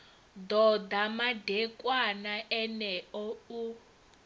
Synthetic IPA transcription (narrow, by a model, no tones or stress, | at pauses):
d̪ɔd̪amadɛkʼwanaʔɛnɛɔu